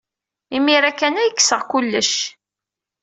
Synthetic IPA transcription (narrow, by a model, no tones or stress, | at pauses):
imiɾækːænæjəkːsəʁkulːəʃ